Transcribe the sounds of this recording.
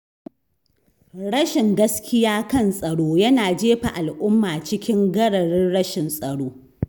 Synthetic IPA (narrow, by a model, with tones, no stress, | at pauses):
ɽɐ˦ʃɪ˨ŋɡɐ˦skʲɪ˦jaː˦kɐ˦˨nsʼɐ˨ɽoː˦jɐ˦naː˨d͡ʒeː˦ɸa̰˨ʔa˨lʔʊ˦mːaː˨t͡ʃɪ˦kʲɪ˦ŋɡɐ˦ɽɐ˨ɽɪ˦nɽɐ˦ʃɪ˨nsʼɐ˨ɽoː˦